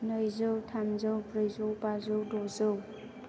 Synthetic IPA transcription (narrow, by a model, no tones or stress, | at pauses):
nəjzɯwtʰamzɯwpɾɯjzowpazɯwdɔzɯw